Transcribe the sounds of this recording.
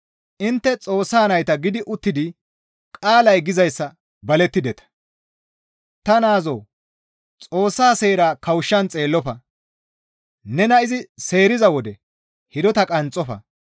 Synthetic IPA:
ʔɪnt̪ːɛt͡sʼo̞ːsːaːnɐjt̪ɐɡɪd̪ɪʔʊt̪ːɪd̪ɪ | kʼaːlɐjɡɪzɐjsːɐ | bɐlɛt̪ːɪd̪ɛt̪ɐ̥ | t̪ɐnaːzo̰ː | t͡sʼo̞ːsːaːse̞ːɾaːkɐwʃːɐnt͡sʼe̞ːlːɔfɐ | nɛnɐɪzɪse̞ːɾɪzɐwɔd̪ɛ | hɪd̪ɔt̪ɐkʼɐnt͡sʼːɔfɐ̰

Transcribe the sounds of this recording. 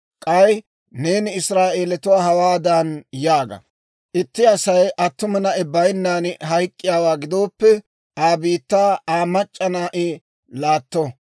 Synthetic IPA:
kʼɐj | ne̞ːnɪːsɾaːʔe̞ːlɛt̪ʊwaːhɐwaːd̪ɐnjaːɡɐ̰ | ʔɪt̪ːɪɐsɐjʔɐt̪ːʊmɐnɐʔɛbɐjnːaːnɦɐjkʼːɪjaːwaːɡɪd̪oːpːɛ | aːbiːt̪ːaːaːmɐt͡ʃʼːɐnaːʔɪ | laːt̪ːɔ

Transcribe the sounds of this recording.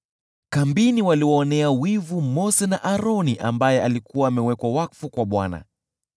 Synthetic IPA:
kambiniwaliwɔːnɛawivumɔsɛnaʔaɾɔniʔambajɛalikuwaːmɛwɛkwawafukwaɓwana̰

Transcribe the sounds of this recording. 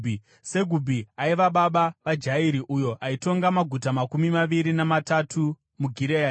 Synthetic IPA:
se̞ɡʱubʱiaiʋaɓaɓaʋad͡ʒaiɾiʔujo̞ʔaito̞ŋɡamaɡʱutamakumimaʋiɾinamatatʰu | muɡʱiɾea

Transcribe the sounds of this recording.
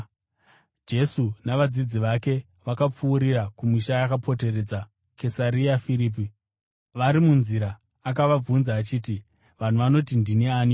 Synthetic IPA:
d͡ʒe̞sunaʋad͡zid͡ziʋake̞ | ʋakap͡fuːɾirakumiʃajakapʰo̞te̞re̞d͡za | ke̞saɾiafiɾiːp̬i | ʋaɾimunziɾaː | k̬aʋab͡vunzaːt͡ʃiːti | ʋan̤uʋano̞tindineaːni

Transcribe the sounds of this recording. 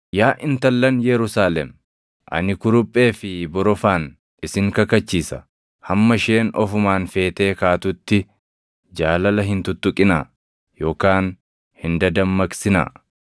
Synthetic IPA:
jaːʔɪnt̪ɐlːɐnjɛɾʊsaːlɛ̰m | ʔɐ̰nɪkʊɾʊpʼːe̞ːfɪbɔɾɔfaːn | ɪsɪŋkɐkɐt͡ʃːiːsɐ | hɐmːɐʃeːnɔ̰fʊmaːnfe̞ːt̪e̞ːkaːt̪ʊt̪ːɪ | d͡ʒaːlɐlɐɦɪnt̪ʊt̪ːʊkʼɪna̰ː | jo̞ːkaːn | hɪnd̪ɐd̪ɐmːɐksɪna̰ː

